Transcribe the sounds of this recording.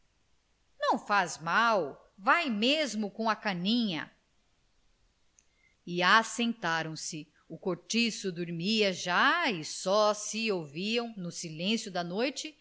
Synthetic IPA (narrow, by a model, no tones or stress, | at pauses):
nɐ̃w̃fazmaw | vajmezmʊkõɐkɐnĩɲɐ̰ | ɪasẽnt̪aɾɐ̃w̃sɪ | ʊkoɾt͡ʃisʊd̪uɾmiɐʒaɪsɔsɪowviɐ̃w̃nʊsilẽsjʊd̪ɐnojt͡ʃɪ